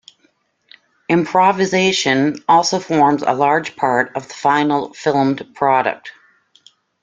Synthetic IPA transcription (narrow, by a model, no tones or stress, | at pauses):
ɨ̃mpʰɹ̥ɑvɨzeɪʃɨ̃nɔlˠsoʊfɔɹmzə̰lɑɹd̥d͡ʒ̥pʰɑɹɾʌvðəfãɪ̃nl̩ˠfɪlˠmdpʰɹ̥ɑɾɨ̰k̚t̚